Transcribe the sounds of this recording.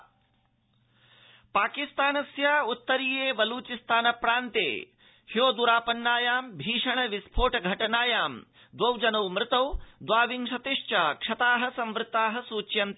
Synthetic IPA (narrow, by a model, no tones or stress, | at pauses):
paːkist̪aːnɐsjaːut̪ːɐɾiːjeːbɐluːt͡ʃist̪aːnɐpɾaːnt̪ḛː | hjoːd̪uɾaːpɐnːaːjaːmbʱiːʂɐɳ̃ɐʋispʰoːʈɐɡʱɐʈɐnaːjaːm | d̪ʋɐwd͡ʒɐnɐwmɾɪt̪ɐwd̪ʋaːʋiŋʃɐt̪iʂt͡ʃaːkʂɐt̪aːɦɐ̆sɐ̃mʋɾɪt̪aːɦɐ̆suːt͡ʃjɐnt̪